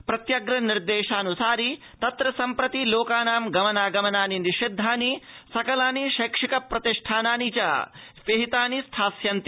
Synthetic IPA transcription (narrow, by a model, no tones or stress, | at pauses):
pɾɐt̪jɐɡɾɐniɾd̪eːʃaːnusaːɾi | t̪ɐt̪ɾɐsɐmpɾɐt̪iloːkaːnaːmɡɐmɐnaːɡɐmɐnaːniniʃed̪ʱːaːnisɐkɐlaːniʃɐːkʂikɐpɾɐt̪iʂʈʰaːnaːnit͡ʃɐ̰ːʋeɦit̪aːnist̪ʰaːsjɐnt̪i